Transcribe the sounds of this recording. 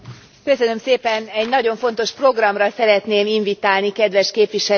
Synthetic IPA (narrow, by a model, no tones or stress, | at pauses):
kø̞sønø̞mseːpɛnɛɟnɒɟo̞ɱfo̞n̪t̪o̞ʃpro̞ɡrɒmrɒsɛɾɛt̪neːmiɱvit̪aːlnikɛd̪ʋɛʃkeːpʋiʃɛ